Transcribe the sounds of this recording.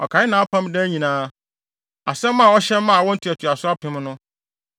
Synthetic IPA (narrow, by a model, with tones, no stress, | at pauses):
ɔ̰˨kʰa˨˦ɪ˦nã˨˦pʰã˦mdɛ˦ɲĩ˨nãː˦ | a̰˨sɛ̃˦mː˦ã˦˨ɔ˦ɕɛ̃˦mː˦ã˦˨wɔ̃˦n̩˦tʰi˨æ˨tʰu˨a˨sʊ˦a˦pʰɪ̃˨˦mnʊ̃˦